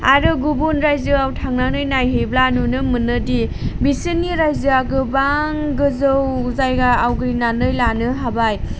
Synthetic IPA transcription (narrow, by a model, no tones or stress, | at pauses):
aɾɯɡubunɾajzɯawtʰaŋnanɯjnajɦeblanunɯmɯnɯdibisinːiɾajzɯaɡɯbaŋɡɯzɯwzajɡaawɡɯɾinanɯjlanɯɦabaj